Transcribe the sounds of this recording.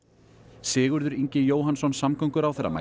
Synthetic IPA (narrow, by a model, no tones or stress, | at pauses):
sɪːɣʏɾðʏɾiɲcɪjoːwɦansɔnsamkʰœŋkʏɾawθɛrːa̰ma̰